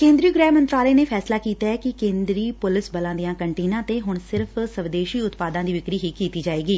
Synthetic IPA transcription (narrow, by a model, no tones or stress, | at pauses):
kẽːnd̪ɾijuːɡɾɛːmənt̪ɾaːleːneːpʰɛːslaːkiːt̪aːɛːkɪkẽːnd̪ɾiːpʊlɪsbəlãːd̪ɪjãːkəɳʈeːnãːt̪eːɦʊɳsɪɾfsəʋd̪eːʃiːʊt̪paːd̪ãːd̪iːʋɪkɾiːɦiːkiːt̪iːd͡ʒaːeːɡiː